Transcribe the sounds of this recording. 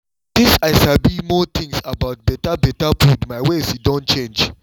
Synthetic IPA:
t̪ĩsaɪsabimɔt̪ʰĩŋsabaʊt̚bɛtabɛtafudmaɪwesidɔ̃ntt͡ʃẽnd͡ʒ

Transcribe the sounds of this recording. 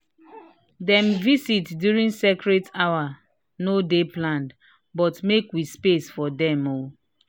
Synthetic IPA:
dɛ̃mvisitdjuɹĩŋsekɹetawa | nodeplãnd | bɔtmekwispesfɔdɛ̃mo

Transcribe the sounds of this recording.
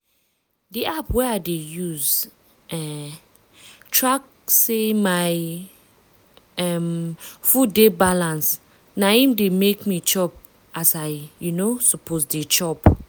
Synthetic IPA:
diʔapwɛaɪdejuz | ɛ | tʰɹak̚ | semaɪ | ɛmfudebalãns | naĩmdemekmit͡ʃɔp | ʔasaɪjunosɔpʰosdet͡ʃɔp

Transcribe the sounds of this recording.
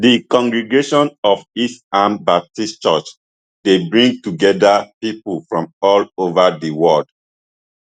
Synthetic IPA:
dikɔ̃ŋɡɹɛɡeʃɔ̃nɔfisãmbap̚tist͡ʃɔt͡ʃ | debɹĩŋɡ̚tuɡɛdapipulfɹɔ̃mɔlovadiwɔld̥

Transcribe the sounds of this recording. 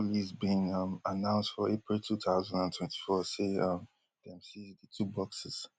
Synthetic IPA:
lizbĩnʌmanãʊ̃nsdtfɔepɹiltʰuθaʊzãndãntʰw̥ɛ̃ntʰi̥fɔseʌm | dɛ̃msizdətʰubɔksɪz̥

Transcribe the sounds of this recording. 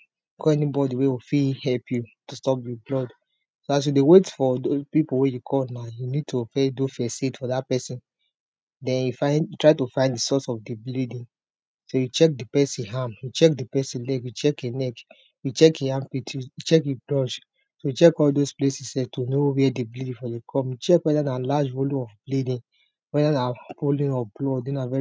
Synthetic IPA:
ɡoɛnibɔdiwewifihɛlpʰjutustɔpjɔblɔd | soas̬judewetfɔdospipowejukʰɔlnajunid̚tʰofɛdofɛsitfɔðat̚pɛsĩn | dɛ̃njufãɪ̃nutʰɹaɪtufãɪ̃ndisɔsɔfdiblidĩŋ | sojut͡ʃɛk̚dipɛsĩɦãmjut͡ʃɛk̚dipɛsĩlɛkjut͡ʃɛkenɛk | jut͡ʃɛkjiãmpitʰjut͡ʃɛkjublɔ̃nt͡ʃ | sojut͡ʃɛkɔldosplesisɛtonowɛdiblidĩfɔjukʰɔ̃mjut͡ʃɛkwɛdanalad͡ʒvoloɔfblidĩn | wɛdanapolĩnɔblɔdenavɛ

